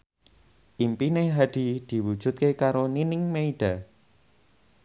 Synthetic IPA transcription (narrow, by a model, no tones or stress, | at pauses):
ʔimpineɦad̪̥i̤d̪̥i̤wud̥ʒ̥ʊ̤t̪̚kekaɾoninɪŋmeiɖ̥a̤